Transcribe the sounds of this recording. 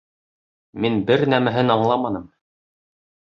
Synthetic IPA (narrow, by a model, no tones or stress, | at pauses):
minbɘɾnæmæɦɘnɑɴlˠɑmɑnɤm